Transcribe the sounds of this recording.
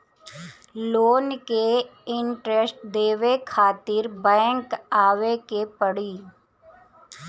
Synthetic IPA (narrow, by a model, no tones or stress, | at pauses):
loːnkeɪɳʈɾesʈd̪eːʋekʰaːt̪ɪɾbɛ̃ːŋkaːʋekepəɽiː